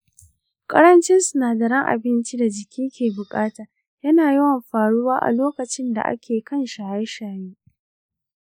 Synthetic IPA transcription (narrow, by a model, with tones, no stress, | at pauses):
kʼɐ̰˦ɾɐ˦nt͡ʃɪ˦nsʊ˨naː˨dɐ˨ɾɐ˦ŋʔa̰˨bɪ˦nt͡ʃi˦da˨d͡ʒɪ˨kʲiː˦kʲeː˨bʊ˨kʼaː˦taː˨ | jɐ˦naː˨ji˦wɐ˨mɸaː˨ɽu˦waː˦ʔa̰˨loː˦kɐ˨t͡ʃɪ˦nda̰˨ʔa̰˦kʲeː˨kɐ˦˨nʃaː˨ja˦ʃaː˨jeː˦